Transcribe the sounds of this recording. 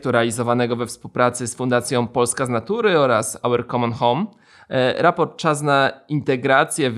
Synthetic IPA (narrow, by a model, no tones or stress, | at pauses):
t̪uɾɛalʲizɔvanɛɡɔvɛfspuwpɾat̪sɘsfund̪at̪sʲjɔ̃w̃pɔlskaznat̪uɾɘɔɾasawɛɾkɔmɔnxɔm | ɾapɔɾt̪̚t͡ʂas̬naint̪ɛɡɾat̪sʲjɛv